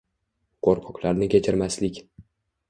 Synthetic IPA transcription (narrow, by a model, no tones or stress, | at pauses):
qʰoɾqʰɒqlaɾnɪkʲet͡ʃʰɪɾmaslɪkʲ